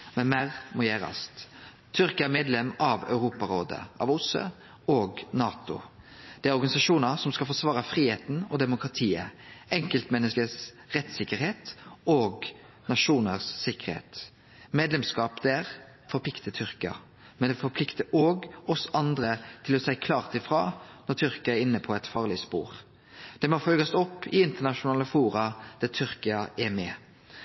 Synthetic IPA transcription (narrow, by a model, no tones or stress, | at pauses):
mɛnmæʁmɔjæːɾɑ̰st̪ʰː | ʏɾkəæɾmeːd̪lɛmɑʋœ̰ʉɾuːpɑɾoːd̪ə̰ʔɑ̰ʋʊsø̰ | oːɡnɑːt̪ʊ̰ | d̪̥ɛæɾɔɾɡɑnɪsɑʂuːnəɾsɔmskɑlfɔʁsʋɑːɾəfɾiːheːt̪n̩ɔd̪ɛmʊkʁɑt̪ʰiːə̰ʔɛŋkəlt̪mɛnːəskəsʁɛt̪sɪkːəɾheːt̪oːɡ | nɑʂuːnəʁsːɪkːəɾhḛːt̪ | meːd̪lɛmskɑːpd̪æɾ | fɔɾpʰlɪkt̪ət̪ʰʏʁkɪɑ̰ | mɛnd̪ɛfɔɾpʰlɪkt̪əoːɡɔsʔɑnd̪ɾət̪ʰɪlɔsæɪkʰlɑːʁt̪ɪfʁɑ̰ːnɔʁt̪ʰʏɾkɑæɾɪnːəpʰɔɛt̪fɑːʁlɪspṵːɾ | d̪̥ɛmofœlɡɑsɔpːɪɪnt̪əʁnɑʃʊnɑːləfuːɾɑd̪̥æt̪ʰʏɾkɪɑʔɛmɛ